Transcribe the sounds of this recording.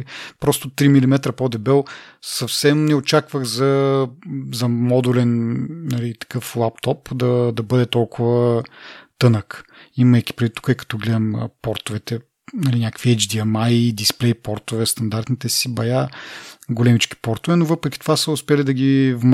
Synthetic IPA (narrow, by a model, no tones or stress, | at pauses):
pɾɔst̪ʊt̪ɾimilimɛt̪ɾɐpod̪ɛbɛlˠsɐfsɛmnɛot͡ʃakvəxzɐ | zɐmɔd̪ulɛnnɐlit̪ɐ̥kɤflˠap̚t̪ɔpd̪ɐd̪ɐbɤd̪ɛt̪ɔlˠkʰʊvə | t̪ɤnəkimɐjk̟ʲi̥pɾɛvit̪ːu̥kəɛkɐ̥t̪ɔɡlɛd̪ɐm̰pɔɾt̪ʊvɛt̪ɛ | nɐlinʲakəkviɛd͡ʒd̪iɐmajd̪isplɛjpɔɾt̪ʊvɛst̪ɐnd̪aɾt̪nit̪ɛsibɐja | ɡolɛmit͡ʃk̟i̥pɔɾt̪ʊvɛnovɤpɾɛkʲit̪ovasəʊspɛlid̪ɐɡʲivm